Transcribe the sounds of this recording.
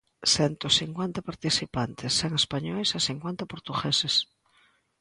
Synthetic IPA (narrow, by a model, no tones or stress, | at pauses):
sɛnt̪osiŋkwent̪apaɾt̪isipant̪esːeŋespaɲɔjsaθiŋkwent̪apoɾt̪uɣeses